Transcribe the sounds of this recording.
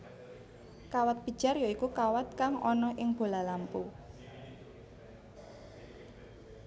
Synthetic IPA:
kawat̪̚pid̥ʒ̥a̤rjaikukawat̪̚kaŋɔ̰nɔʔɪŋb̥o̤lalampu

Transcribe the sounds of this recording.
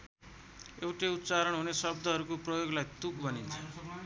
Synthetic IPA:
ewʈeut̪t͡saɾʌɳɦunesʌbd̪ʱʌɦʌɾukoprʌjoɡlajt̪ukbʱʌnint͡sʰʌ

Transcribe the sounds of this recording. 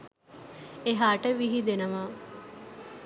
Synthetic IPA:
eɦaːʈəʋiɦid̪enəʋaː

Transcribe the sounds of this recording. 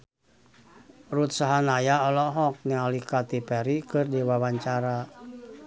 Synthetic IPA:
rut̪̚saɦanajaɔlɔɦɔk̚nialikat̪ipɛɾikɨrdiwawaɲt͡ʃaɾa

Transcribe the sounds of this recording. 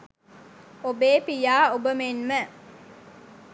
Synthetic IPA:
obeːpijaːobəmenmə

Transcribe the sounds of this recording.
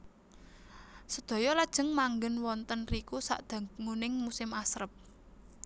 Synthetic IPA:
səd̪̥ɔ̤jɔlad̥ʒ̥ə̤ŋmaŋɡənwɔnt̪ənrikusa̰ʔd̪̥a̤ŋunɪŋmusɪmasɾəp̚

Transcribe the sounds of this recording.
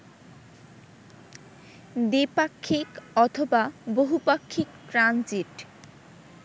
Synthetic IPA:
d̪ipakʰːikɔt̪ʰobaboɦupakʰːikʈɾand͡ʑiʈ

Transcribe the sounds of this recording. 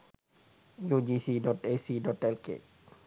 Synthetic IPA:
jod͡ʒisiɖɔʈesiɖɔʈɛlkḛ

